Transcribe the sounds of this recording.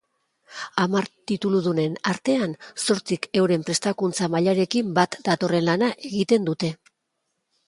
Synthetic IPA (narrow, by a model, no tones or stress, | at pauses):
amaɾt̪it̪uluðune̞naɾt̪e̞anso̞ɾt͡sike̞wɾe̞mpɾe̞st̪akunt͡samaʎaɾe̞kimbat̪d̪at̪o̞re̞nlanaʔe̞ɣit̪e̞nd̪ut̪e̞